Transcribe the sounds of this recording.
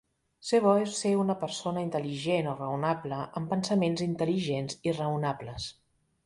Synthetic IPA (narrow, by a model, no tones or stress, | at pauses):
seβɔeseunəpəɾsonəint̪əliʒenorəunabləʔəmpənsəmenzint̪əliʒenzirəunabləs